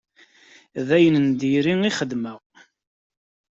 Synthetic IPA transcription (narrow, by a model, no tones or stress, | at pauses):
ðæjənənd̪iɾiŋiχəd̪məʁ